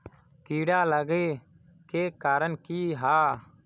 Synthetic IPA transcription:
kiːɽaːləɡeː | keːkaːɾəɳkiːɦaː

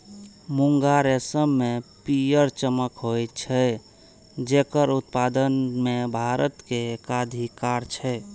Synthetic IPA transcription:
muŋɡaɾesəmːepijəɾt͡ʃəməkɦojt̪t͡ʃʰɛ | d͡ʒekəɾut̪̚pad̪ənmebʱaɾət̪kekad̪ʱikaɾt͡ʃʰɛ

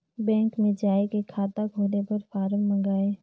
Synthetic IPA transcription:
bɛ̃ːŋkmẽd͡ʒaːekekʰːaːt̪aɡʱoːlepɐɾfaːɾəmmə̃ŋɡaːeː

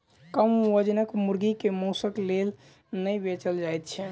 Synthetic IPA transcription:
kəmwəd͡ʒnəkmuɾɡikemosəklel | nəjbet͡ʃəld͡ʒajt̪̚t͡ʃʰɛ

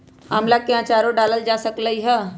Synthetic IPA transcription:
maːmlakeãt͡ʃaɾoɖaːləld͡ʒasəkləiɦɛ

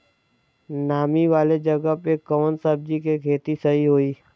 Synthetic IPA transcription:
naːmiʋaːled͡ʒɐɡəpekəʋənsəb̚d͡ʒikekʰeːt̪isɐɦiɦoːiː

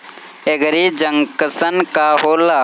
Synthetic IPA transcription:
eɡəɾiːd͡ʒəŋkəsənkaːɦoːlaː

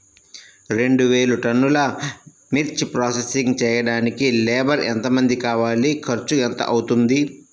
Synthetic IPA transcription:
ɾe̞ɳɖuʋeːluʈɐnːulɐ | miɾt͡ʃpɾaːsesiŋɡt͡ʃɛːjɐɽaːnikilɛːbɐɾḛnt̪ɐmɐnd̪ikaːʋaːlikʰɐɾt͡ʃuent̪ɐ̰ʔɐwut̪und̪i

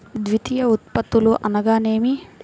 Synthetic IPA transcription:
d̪ʋit̪ijɐut̪pɐt̪ːuluʔɐnɐɡaːneːmi

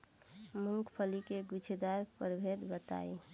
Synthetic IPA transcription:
muŋkʰpʰəlikeɡut͡ʃʰed̪aɾpəɾbʱed̪bət̪a̰ːḭ

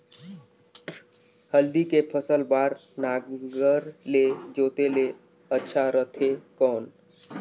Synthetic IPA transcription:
həld̪ikepʰəsəlbaːɾnaːɡəɾled͡ʒoːt̪ele | ətːʃʰaɾət̪ʰekɔːn

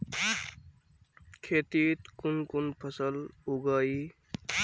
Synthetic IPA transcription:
kʰeːt̪it̪kunkunpʰəsəluɡaːi

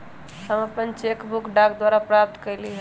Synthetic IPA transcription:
həməpənt͡ʃekbukɖakd̪waɾapɾap̚t̪kəjliɦə

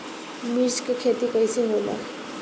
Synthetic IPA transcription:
miɾskekʰet̪ikʌjseɦola̰

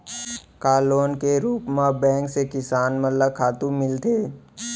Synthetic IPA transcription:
kaːloːnkeɾuːpmabɛ̃ːŋksekɪsaːnməlləkʰaːt̪ũmɪlt̪ʰeː

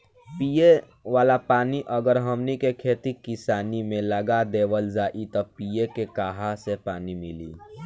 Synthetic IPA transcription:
pije | waːlapaːniʔəɡəɾɦəmnikekʰeːt̪ikɪsaːnimẽləɡad̪eːwəld͡ʒaːʔit̪ɔpiekekaːɦasepaːnimɪlḭː

